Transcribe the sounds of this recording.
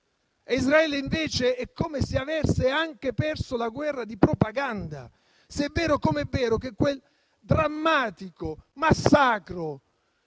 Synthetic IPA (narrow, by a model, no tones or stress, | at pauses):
izɾaɛːleiɱveːt͡ʃeɛkːomesiavɛrseaŋk̟epɛrsʊlaɡwɛrːad̪ipɾopaɡand̪a̰ | sɛvːɛːɾʊkomɛvːɛːɾʊk̟ekːwel | d̪ɾamːaːt̪ikomasːaːkɾo